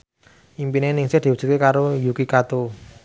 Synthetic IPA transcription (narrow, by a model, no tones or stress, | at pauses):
impinenɪŋsɪhd̪̥i̤wu̥d͡ʒ̥ṳ̥t̪̚kekaɾojukikat̪o